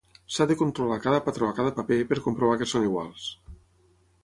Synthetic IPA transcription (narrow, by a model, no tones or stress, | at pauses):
saðekont̪ɾolakaðəpat̪ɾoakaðəpapepeɾkompɾoβ̞akesoniɣwa̰lˠs